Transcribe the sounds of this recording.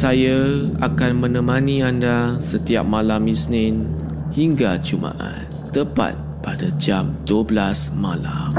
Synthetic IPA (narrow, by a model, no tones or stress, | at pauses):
sajaa̰kanmə̃nə̃mãnĩandasət̪iap̚mãlamisnɪnhiŋɡat͡ʃuma̰ʔa̰n | t̪əpa̰t̪̚padad͡ʒamduəblasmalam